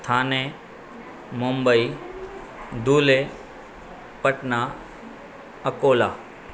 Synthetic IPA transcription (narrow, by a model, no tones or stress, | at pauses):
t̪ʰaːnẽ | mʊ̃mbəi | d̪uːle | pəʈna | əkoːlaː